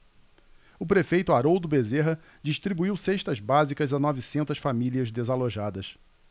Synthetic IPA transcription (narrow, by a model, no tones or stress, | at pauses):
ʊpɾefejt̪ʊaɾowd̪ʊbezeɦɐ | d͡ʒiʃt̪ɾibuiwseʃt̪ɐzbazikɐzanɔvisẽnt̪ɐsfamiliɐzd̪ezaloʒad̪ɐs